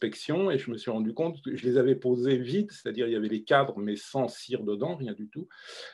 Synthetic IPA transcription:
pɛksjɔ̃eʒəməsɥiʁɑ̃d̪ykɔ̃t̪kəʒəlezavɛpozevit̪se̥t̪ad̪iʁiljavɛlekad̪ʁəmɛsɑ̃siʁd̪əd̪ɑ̃ʁjɛ̃d̪yt̪u

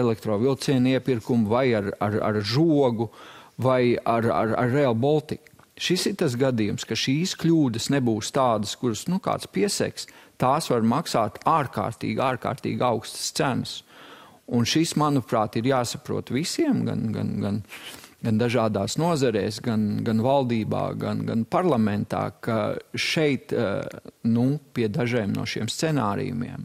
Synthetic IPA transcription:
ɛlɛk̚t̪ɾɔːvilˠt̪siɛniɛpiɾkumvajaɾa̰ɾa̰ɾʒuɔɡuvajaɾa̰ɾa̰ɾːɛlˠbɔlˠt̪ik | ʃisiɾt̪as̬ɡad̪ijumskaʃiːsklʲuːd̪əsnebuːst̪aːd̪əskuɾsnuka̰ːt̪spiɛsɛ̰kst̪aːsʋaɾmaksaːt̪aːɾka̰ːɾt̪ḭːɡaːɾka̰ːɾt̪ḭːɡawkst̪ə̥st̪sænəs | unʃismanupɾaːt̪iɾjaːsapɾṵɔt̪ʋisiɛmɡa̰nɡa̰nɡanɡand̪aʒaːd̪aːsnuɔzɐɾɛːsɡanɡanvalˠd̪iːba̰ːɡa̰nɡa̰npaɾlˠamɛnt̪a̰ːkaʃɛjt̪ | nupiɛd̪aʒijmnṵɔʃiɛmst̪sɛnaːɾḭjṵmḭɛm

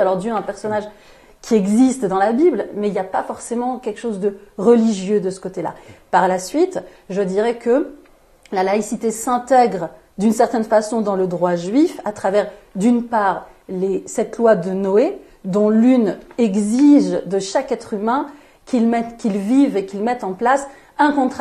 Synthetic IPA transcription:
alɔʁd̪jøɛ̃pɛʁsɔnaʒ | kʲʰiɛɡzist̪d̪ɑ̃labiblmɛiljapafɔʁsemɑ̃kʲɛlkʃozd̪əʁəliʒjød̪əsə̥kot̪ela̰paʁlasɥit̪ | ʒəd̪iʁɛkə | lalaisit̪esɛ̃t̪ɛɡʁ | d̪ynsɛʁt̪ɛnfasɔ̃d̪ɑ̃ləd̪ʁwaʒɥifat̪χavɛʁ | d̪ynpaːʁ | lesɛt̪lwad̪ənɔe | d̪ɔ̃lynɛɡziʒd̪əʃakɛt̪χymɛ̃ | kʰʲilmɛt̪kʲilvivekʲilmɛt̪ɑ̃plas | ɛ̃kɔ̃t̪χ

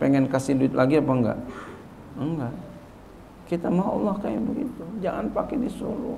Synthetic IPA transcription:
pɛŋɛnkasihduɪt̪̚lʔaɡiapaəŋɡa̰ʔ | əŋɡaʔ | kit̪amaɦaɔ̰lːɔhkaɛnbəɡḭt̪ud͡ʒaŋanpakɛdisṵlṵ

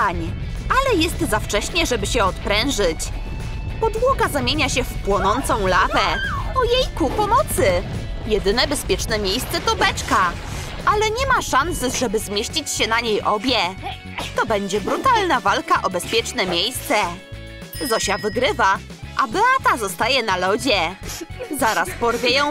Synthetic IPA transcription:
ɲ | alɛjɛst̪zaft͡ʂɛɕɲɛʐɛbɘɕɛɔt̪pɾɛwʐɘt͡ɕ | pɔd̪wɔɡazamʲjeɲaɕɛfpwɔnɔnt̪sɔ̃w̃lavɛɔjejkupɔmɔt̪sɘ | jɛd̪ɘnɛbɛspʲjɛt͡ʂnɛmʲjejst̪sɛt̪ɔbɛt͡ʂka | ʔalɛɲɛmaʂansʐɛbɘzmʲjeɕt͡ɕit͡ɕɕɛnaɲejʔɔbʲjɛ | t̪ɔbɛɲd͡ʑɛbɾut̪alnavalkaʔɔbɛspʲjɛt͡ʂnɛmʲjejst̪sɛ | zɔɕavɘɡɾɘvaʔabɛat̪azɔst̪ajɛnalɔd͡ʑɛ | zaɾaspɔɾvʲjejɔ̃w̃

